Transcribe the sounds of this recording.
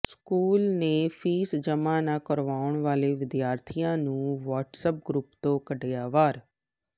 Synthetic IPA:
skuːlnẽfʰiːsd͡ʒəmanakəɾʋaːʊɽ̃ʋaːleʋɪd̪jaːɾt̪ʰijãnũːʋaːʈsəp̚ɡɾupt̪okəɖjaːʋaːɾ

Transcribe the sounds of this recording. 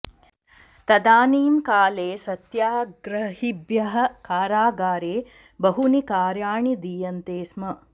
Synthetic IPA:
t̪ɐd̪aːniːmkaːleːsɐt̪jaːɡɾɐhibjɐɦɐ̆kaːɾaːɡaːɾeː | bɐɦunikaːɾjaːɳid̪iːjɐnt̪eːsmɐ

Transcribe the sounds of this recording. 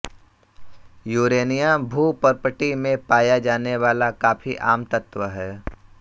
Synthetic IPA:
juːɾeːnijãbʱuːpəɾpəʈimẽpaːjad͡ʒaːneʋaːlakaːfiʔaːmt̪ət̪ʋəɦɛː

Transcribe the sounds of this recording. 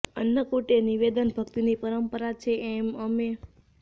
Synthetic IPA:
ənːəkoʈeniʋed̪ənbʱəkt̪inipəɾəmpəɾat͡ʃʰeʔːməme

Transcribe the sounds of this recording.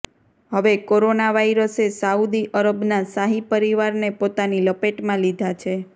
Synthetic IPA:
ɦəʋekoɾonaʋaiɾəsesaud̪iʔəɾəbnasaɦipəɾiʋaɾnepot̪aniləpeʈmãlid̪ʱat͡ʃʰe

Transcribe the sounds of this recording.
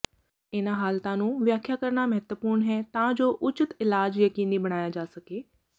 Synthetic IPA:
ɪnãːɦaːlt̪ãːnũːʋjaːkʰjaːkəɾnaːməɦət̪wəpuːɾɳɦɛːt̪ãːd͡ʒoːʔʊt͡ʃət̪ɪlaːd͡ʒjəkiːniːbəɽ̃aːjaːd͡ʒaːsəkeː

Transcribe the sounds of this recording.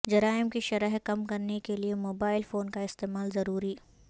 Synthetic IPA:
d͡ʒɐɾaːɪmkiʃɐɾəɦkɐmkɐɾnekeliemoːbaːɪlfoːnkaɪst̪eːmaːlzɐɾuːɾiː

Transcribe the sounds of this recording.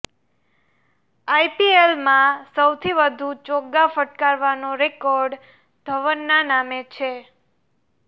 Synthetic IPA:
ajpielmãsəwt̪ʰiʋəd̪ʱut͡ʃoɡafəʈkaɾʋanoɾekɔɾɖ | d̪ʱəʋənːanamet͡ʃʰe

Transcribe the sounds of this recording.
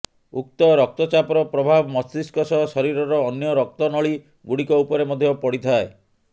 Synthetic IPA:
uk̚t̪ɔɾɔk̚t̪ɔt͡ʃapɔɾɔpɾɔbʱabɔmɔsiskɔsɔsɔɾiɾɔɾɔːnjɔɾɔk̚t̪ɔnɔɭi | ɡuɽikɔupɔɾemɔd̪ʱjɔpɔɽit̪ʰae

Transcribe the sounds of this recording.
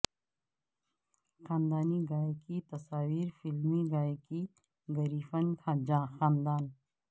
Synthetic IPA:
xãːnd̪aːniɡaːjkit̪ɐsaːwiːɾfilmiɡaːjki | ɡɐɾiːfɐnkʰãːd͡ʑãːxaːnd̪aːn

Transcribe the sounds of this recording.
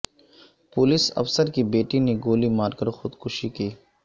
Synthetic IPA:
pʊlɪsɐ̰fsəɾkibeːʈineɡoːlimaːɾkəɾxʊd̪kʊʃikiː

